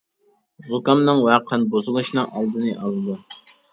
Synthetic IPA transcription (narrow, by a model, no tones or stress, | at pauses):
zukɑmnɨŋwæqʰənbozɨlˠɨʃnɨŋʔɑlˠd̪ɨnɨʔɑlˠɨd̪u